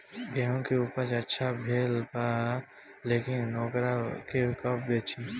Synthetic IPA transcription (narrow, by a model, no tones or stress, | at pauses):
ɡɛːɦõkeuːpəɾt͡ʃɐtːʃʰabʱeːlpa | leːkɪnːɔːkɾakekəp̚beːt͡ʃi